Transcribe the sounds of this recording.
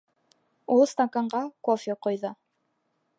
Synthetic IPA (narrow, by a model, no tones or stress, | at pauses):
ulˠst̪akaɴɢɑkofʲeqojðɤ